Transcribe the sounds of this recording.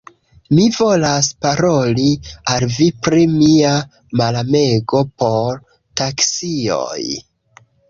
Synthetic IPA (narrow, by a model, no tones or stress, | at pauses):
mivo̞laspaɾo̞lialvipɾimia | malame̞ɡo̞po̞ɾ | taksio̰j